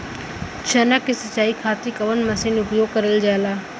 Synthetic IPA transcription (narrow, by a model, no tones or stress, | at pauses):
t͡ʃʰɐnəkːisɐt͡ʃːaːikʰaːt̪ikɐʋənmɐsinʊpjoːɡ̚kɐɾəld͡ʒaːlaː